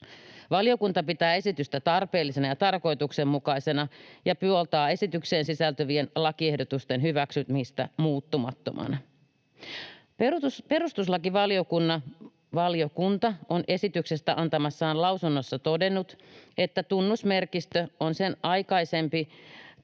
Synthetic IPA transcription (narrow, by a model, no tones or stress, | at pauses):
ʋɑlijo̞kunt̪ɑpit̪æːe̞sit̪yst̪æt̪ɑrpe̞ːlːisenɑjɑt̪ɑrko̞it̪uksemːukɑise̞nɑjɑpyolt̪ɑːe̞sit̪ykse̞ːnsisælt̪øʋienlɑkiehdot̪ust̪enɦyʋæksyt̪miːst̪æ̰muːt̪ːumɑ̰t̪ːo̰mɑ̰nɑ | peuuspe̞ɾust̪uslɑkiʋɑlio̞kunːɑ | ʋɑliokunt̪ɑone̞sit̪ykse̞st̪æʔɑnt̪ɑmɑsːɑːnlɑwsunːosːɑt̪o̞de̞nːut̪e̞t̪ːæt̪unːusme̞rkist̪øonsenʔɑjkɑise̞mpi